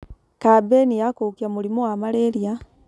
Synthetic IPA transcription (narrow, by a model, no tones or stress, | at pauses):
kabenijakoːkijamulimowamaleɾja